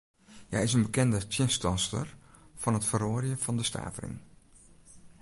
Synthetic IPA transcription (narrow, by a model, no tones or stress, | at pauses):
jɛ̰jɪsənbəkɛndətjənstɔnstə̰rfɔnətfəroːrjəfɔndəstʰa̰ːtərḭn